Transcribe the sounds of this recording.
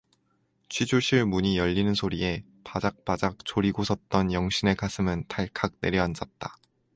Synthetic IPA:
t͡ɕʰwid͡ʑuɭɕ͈ʰiɭmuɲijʌʎːinɯnsʰoɾie̞ | pad͡ʑak̚p͈ad͡ʑak̚t͡ɕʰoɾiɡosʰʌt̚t͈ʌnjʌŋɕ͈ʰine̞kasʰɯmɯntʰaɭkʰak̚ne̞ɾjʌand͡ʑʌt̚t͈ḁ

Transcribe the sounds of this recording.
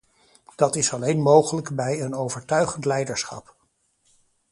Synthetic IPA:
d̥ɑtɪsɑlejnmowχələkbɛjənowvəɹtœɥχəntlɛjdəɹsχɑ̰p̚

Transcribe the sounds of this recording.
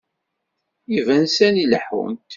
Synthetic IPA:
ivænsæniləħwə̰nt̪

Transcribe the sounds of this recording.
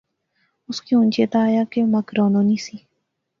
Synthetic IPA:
uskiunʲt͡ʃet̪ajakemakɾononisi

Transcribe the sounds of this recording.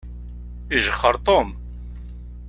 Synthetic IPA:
iʒəχːəɾt̪ˤom

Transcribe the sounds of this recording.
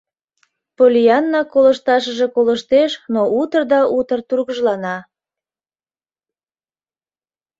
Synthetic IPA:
polʲiɑnːɑkoləʃt̪ɑʃəʒe̽koləʃt̪eʃnout̪ərd̪ɑʔut̪ərt̪urɣəʒlɑnɑ

